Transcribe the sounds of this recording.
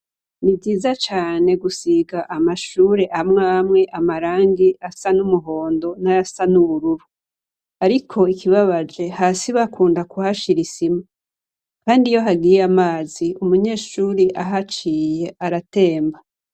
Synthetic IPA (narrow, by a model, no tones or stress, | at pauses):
nibziːzat͡ʃaːne̞ɡusiɡaʔamaʃuːɾe̞ʔamŋaːmŋe̞ʔamaɾaːŋɡiasanumuɦo̞ːndo̞najasanuβuɾuɾu | aɾikʰo̞ikʰiβaβad͡ʒe̞haːsiβakuːndakuhaʃiɾisima | kaːndijo̞ɦaɡijamaːziumuɲe̞ːʃuːɾiʔaɦat͡ʃiːje̞ʔaɾate̞ːmba